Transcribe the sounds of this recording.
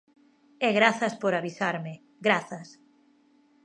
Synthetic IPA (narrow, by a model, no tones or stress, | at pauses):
ɛɣɾaθaspoɾaβisaɾmɪ | ɡɾaθas